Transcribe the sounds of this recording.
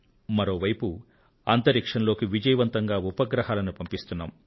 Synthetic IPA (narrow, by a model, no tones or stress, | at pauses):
mɐɾo̞ːʋɐjpu | ɐnt̪ɐɾikʂɐnlo̞ːkiʋid͡ʒɐjɐʋɐnt̪ɐŋɡaːupɐɡɾɐɦaːlɐnupɐmpist̪unːa̰ːm